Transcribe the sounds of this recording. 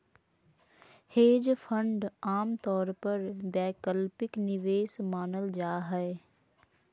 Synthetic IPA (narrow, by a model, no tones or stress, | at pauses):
heːd͡ʒfʰə̃ɳɖaːmt̪ɔːɾpɐɾbɛːkəlpɪknɪʋeːsmaːnəld͡ʒaːɦɛe